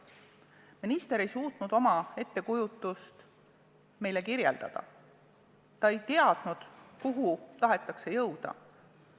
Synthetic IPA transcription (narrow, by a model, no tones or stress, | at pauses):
minist̪e̞ɾe̞jsuːt̪nud̪o̞mɑe̞t̪ːe̞kujut̪ːˑust̪ | me̞jle̞kiɾje̞̰ld̪̥ɑ̰d̪̥ɑ̰ | t̪ɑe̞jt̪eɑd̪̥nud̪̥kuɦut̪ɑɦe̞t̪ːˑɑkse̞jɤwd̪̥ɑ̰